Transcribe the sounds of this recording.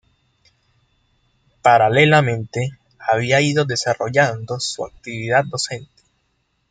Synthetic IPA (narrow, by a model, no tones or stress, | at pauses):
paɾalelamẽ̞nt̪e̞ | aβ̞iaiðo̞ðe̞saro̞̰ʝand̪o̞sua̰k̚t̪iβiðat̪̚d̪o̞se̞nt̪e̥